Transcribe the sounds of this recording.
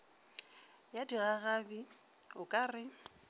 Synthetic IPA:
jadiɣaɣabi | ʊkʼaːrɪ

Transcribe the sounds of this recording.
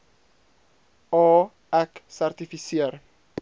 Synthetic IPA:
ɔː | ɛksært̪ifisiər

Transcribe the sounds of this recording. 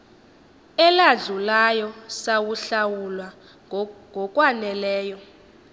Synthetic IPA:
ɛlaɮulajɔsawuɬawulwa | ŋʱɔkʼwanɛlɛːjɔ

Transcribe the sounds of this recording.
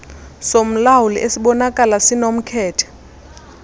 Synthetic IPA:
som̩lawulḭʔesiɓɔnakʼalasinom̩kʰɛːtʰɛ̥

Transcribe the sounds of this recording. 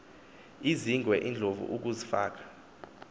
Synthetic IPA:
iziŋɡʱwɛʔind͡ɮʱovṵʔuk̬uzifa̰ːk̬ḁ

